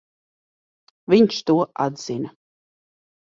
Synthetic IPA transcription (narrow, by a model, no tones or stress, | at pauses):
vʲiɲʃt̪uɔa̰d̪z̥ina